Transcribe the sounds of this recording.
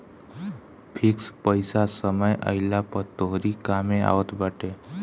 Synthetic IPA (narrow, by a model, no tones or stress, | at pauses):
pʰɪkspəɪsasəməjʔə̰ɪlapəɾt̪oɦɾikamẽa̰ːʋət̪bəʈe